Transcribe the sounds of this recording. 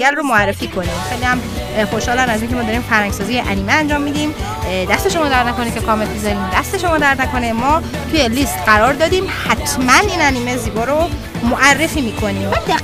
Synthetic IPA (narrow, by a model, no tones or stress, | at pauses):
ælromoærːe̞fiːkʰo̞nexejliæm | xo̞ʃhɒːlænæziːŋcʰe̞mɒːd̪ɒːɾiːmfæɾhæŋɡsɒːzijeʔæniːmeænd͡ʒɒːmːiːd̪iːm | d̪æst̪e̞ʃo̞mɒːd̪æɾd̪næko̞necʰe̞kʰɒːme̞lbizɒɾiːmd̪æst̪e̞ʃo̞mɒːd̪æɾd̪næko̞nemɒː | t̪ʰujeliːst̪ɢæɾɒːɾd̪ɒːd̪iːmhæt̪ʰmæniːnæniːmeziːbɒːɾo | moʔærːe̞fiːmiːkʰo̞niːm